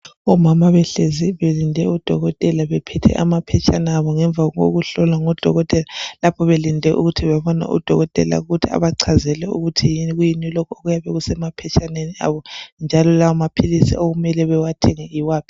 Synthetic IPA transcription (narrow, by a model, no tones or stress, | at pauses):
ɔmamaβɛɬeziβelindʱɛud̥ʱɔɣɔtʼɛlaβɛpʰɛtʰɛ̰ʔa̰mapʰɛt͡ʃʰʼanaːβɔŋɛɱb̪vʱao̰ɣuɬɔlaŋɔd̥ʱɔ̰ɣɔtʼɛlalapʰɔβelindʱɛʔuɣutʰiβaβɔna̰ʔṵd̥ʱɔɣɔtʼɛ̰la̰uɣutʰia̰βaǀʰazɛlɛṵɣutʰijiɣujinilokʰɔoɣujaβɛɣusɛmapʰɛt͡ʃʰʼanenia̰βɔnd͡ʒʱalɔlawamapʰilisḭoɣumɛlɛβɛwatʰɛŋɛiwaːpʰi̥